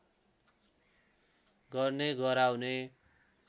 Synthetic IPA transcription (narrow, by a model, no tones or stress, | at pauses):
ɡʌrneɡʌɾawne